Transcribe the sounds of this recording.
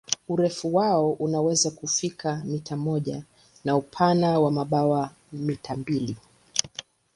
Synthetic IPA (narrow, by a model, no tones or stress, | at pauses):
uɾɛfuwaɔʔunawɛzakufikamitamɔʄa | naupʰanawamaɓawa | mitambili